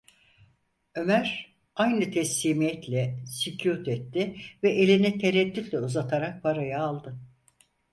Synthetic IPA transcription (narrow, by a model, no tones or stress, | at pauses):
ø̞mæɾ | ajnɯt̪ʰɛslʲiːmijɛt̪ʰlʲɛsicʰut̪ɛt̪ːɪvɛʔelʲinit̪ʰeɾɛd̪ːyt̪lʲɛuzat̪ʰaɾak̚pʰaɾajaːlˠd̪ɯ